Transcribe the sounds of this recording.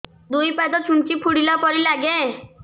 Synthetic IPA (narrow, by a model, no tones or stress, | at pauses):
d̪ujpad̪ɔt͡ʃʰuɳt͡ʃipʰuɽilapɔɾilaɡe